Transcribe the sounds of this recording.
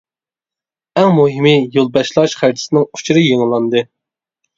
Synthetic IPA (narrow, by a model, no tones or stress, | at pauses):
ɛŋmuɦɪmɨjolˠbɛʃlˠɑʃχæɾd͡ʒʰɪ̥sɪnɪŋu̥t͡ʃʰuɾɨjeŋlˠɑnd̪ɨ